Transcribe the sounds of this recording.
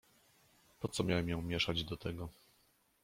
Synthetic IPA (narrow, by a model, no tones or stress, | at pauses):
pɔt̪sɔmʲjawɛmjɔ̃w̃mʲjɛʂad͡ʑd̪ɔt̪ɛɡɔ